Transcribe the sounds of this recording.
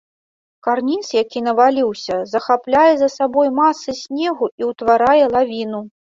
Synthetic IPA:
karnʲit̪sjakʲinɐvalʲiwsʲɐzɐxaplʲajɛzɐsabɔjmasɨsʲnʲɛɣuiwt̪vaɾajɛlˠavʲinu

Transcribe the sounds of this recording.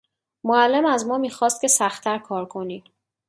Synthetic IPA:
moælːemæzmɒːmiːxɒːst̪̚cʰe̞sæxt̪ʰæɾkʰɒːɾkʰo̞niː

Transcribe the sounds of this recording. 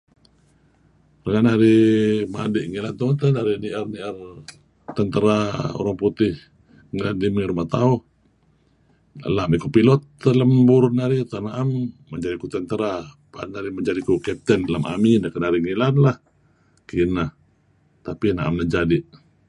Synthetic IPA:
rəŋanaɾimadɪʔŋilant̪oant̪anaɾiniʔərniʔər | t̪ənt̪əɾao̰ɾaŋput̪ɪh | ŋilandimiɾumaht̪auh | lamikupilɔt̪ːələmbʊrnaɾit̪anaʔamːəɲd͡ʒadikut̪ənt̪əɾa | panaɾiməɲd͡ʒadikukɛp̚t̪əndalama̰minakənaɾiŋilanlah | kinah | t̪apinaʔa̰mnahd͡ʒadɪʔ

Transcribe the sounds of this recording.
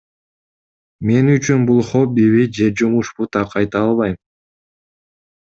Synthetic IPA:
me̞nyt͡ʃynbulˠχobiβid͡ʒe̞d͡ʒumuʃput̪ʰɑqɑjt̪ɑɑlˠβɑjm

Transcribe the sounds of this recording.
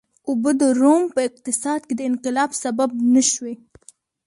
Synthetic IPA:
ʊbəd̪əɾompəɪq̚t̪ɪsɑd̪̚ked̪əɪnqɪlɑbsabab̚naʃwe

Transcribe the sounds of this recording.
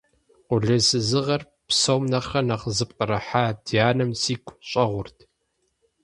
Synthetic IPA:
qʷʊɮɨsɨzɨʁɐr | psɐwmnɐχrɐnɐʁəzɨp̚ʼqʼəɾɐħaːdijaːnɨmsiːkʷʼɕʼɐʁʷʊrtʰ

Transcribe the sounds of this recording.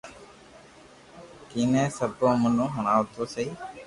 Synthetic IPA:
kiːnẽːsəbõːmənõːɦəɳ̃aːʋt̪oːseiː

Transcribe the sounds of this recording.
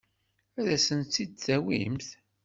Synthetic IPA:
æðæsənt̪ːid̪̚t͡sːæwḭmθ

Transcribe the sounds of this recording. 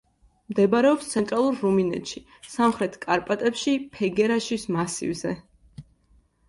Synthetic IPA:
md̪ɛbaɾɛɔpst̪sʰɛnt̪ʼɾalˠuɾːuminɛ̰t̪ʃi | samχɾɛt̪ʰkʼaɾpʼat̪ʼɛpʃipʰɛɡɛɾaʃismasḭvzɛ

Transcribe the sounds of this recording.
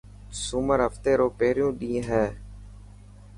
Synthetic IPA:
sʊməɾɦəft̪eːɾoːpeːɾɪjũːɗĩːɦɛː

